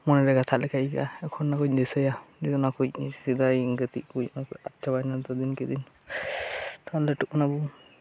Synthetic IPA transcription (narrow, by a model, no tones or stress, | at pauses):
mɔnɛɾɛɡat̪ʰaʔlɛkʰaika̰ɛkʰɔnːakuc̚d̪ɛsəjaɾikɔnakuc̚sid̪ajŋɡət̪ikujnakatt͡ʃabajnalt̪ɔd̪inkɛd̪in | t̪alɛʈuknabu